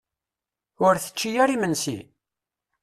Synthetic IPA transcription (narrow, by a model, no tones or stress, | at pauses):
ʊɾθə̥t͡ʃːijæɾimənsḭ